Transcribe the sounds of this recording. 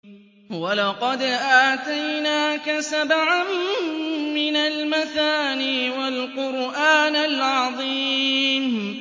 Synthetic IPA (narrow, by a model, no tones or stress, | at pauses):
walɑqɑd̪ʔaːt̪ajnaːkasabʕamː | ɪnalmaθaːniːwalqʊɾʔaːnalʕɑðˤiːm